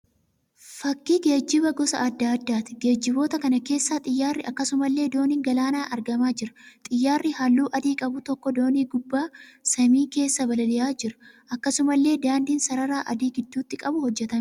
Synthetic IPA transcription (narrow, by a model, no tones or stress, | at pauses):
fɐkːiːɡe̞ːd͡ʒːɪbɐɡɔsɐ̰ʔɐd̪ːaːd̪ːaːt̪ɪ̥ɡe̞ːd͡ʒːɪbo̞ːt̪ɐkɐnɐke̞ːsːaːt̪ʼɪjːaːrːɪʔɐkːɐsʊmɐlːe̞ːd̪o̞ːniːŋɡɐlaːnaːʔɐɾɡɐmaːd͡ʒɪɾɐ̥t̪ʼɪjːaːrːɪhalːuːʔɐd̪iːkʼɐbʊt̪ɔkːɔd̪o̞ːniːɡʊbːaːsɐmiːke̞ːsːɐbɐlɐlɪjaːd͡ʒɪɾɐ̥ʔɐkːɐsʊmɐlːe̞ːd̪aːnd̪iːnsɐɾɐɾaːʔɐ̰d̪iːɡɪd̪ːuːt̪ːɪkʼɐbʊhɔd͡ʒːɛt̪ɐm